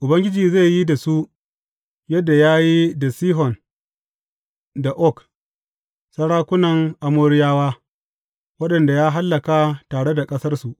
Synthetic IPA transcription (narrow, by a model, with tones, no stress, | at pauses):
ʔʊ˨bɐ˦ŋɡʲɪ˦d͡ʒiː˨ze˦˨jji˦da˨su˦ | jɐ˦dːa˨jaː˦ji˦da˨siː˦ɦɔ˨n | da˨ʔɔ˦˨k | sɐ˦ɽaː˦kʷʊ˦nɐ˨ŋʔa˨moː˦ɽɪ˦jaː˦waː˦ | wɐ˦ɗɐ˨nda˨jaː˦ɦa˦lːɐ˨ka˦taː˨ɽe˦da˨kʼɐ˦sɐ˦rsu˨ʔ